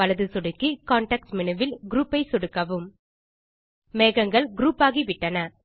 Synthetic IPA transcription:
ɐlɐðɯsɔɽɯkːikaːɳʈɐk̚smɪnɯʋɪlɡɾuːpːɐɪsɔɽɯkːɐʋɯm | meːɣɐŋɡɐɭɡɾuːpaːɣiʋɪʈːɐnɐ

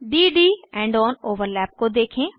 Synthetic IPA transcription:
ɖiːɖiːɛ̃ːɳɖɔːnoːʋəɾlɛːp̚kod̪eːkʰẽː

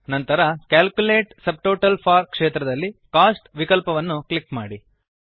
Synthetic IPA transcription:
nɐnt̪ɐɾɐkaːlkuleːʈsɐb̚ʈoːʈɐlpʰaːɾkʂeːt̪ɾɐd̪ɐlːikaːsʈʋikɐlpɐʋɐnːuklikmaːɽi

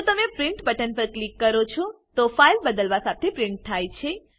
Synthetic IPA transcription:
ũt̪əmepɾɪɳʈbəʈənpəɾklikːəɾot͡ʃʰot̪ofailbəd̪əlʋasat̪ʰepɾiɳʈ̚t̪ʰajt͡ʃʰe

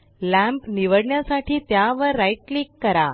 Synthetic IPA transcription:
læ̃mpniʋəɽɳjasaʈʰiːt̪jaʋəɾːaiʈ̚likːəɾa

